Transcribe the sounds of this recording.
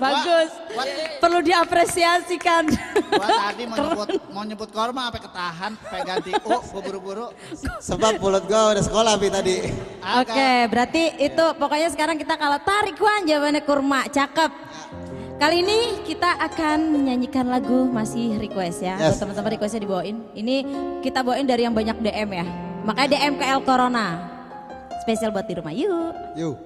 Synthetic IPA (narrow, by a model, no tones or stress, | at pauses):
baɡʊspərludiapɾesiasikan | diakəratnmaɲəbʊt̪̚kormaːpakət̪aɦanpeɡat̪iubuɾuɡuɾu | səbap̚mulʊt̪̚ɡaudɛsə̥kolahpit̪adiokebəɾat̪iːt̪upokoɲasəkaɾaŋkit̪akalat̪aɾikuand͡ʒamanakurmat͡ʃakəp̚ | kaliːnikit̪aʔakanɲaɲikanlaɡumasɪhrikwɛstjaɛt̪əmənt̪əmənrikwɛsjadibawaɪninikit̪abawaɪndaɾijaŋbaɲak̚deʔɛmjamakaadeʔɛmkaɛlkoɾona | spesialbaat̪̚iɾuma̰juju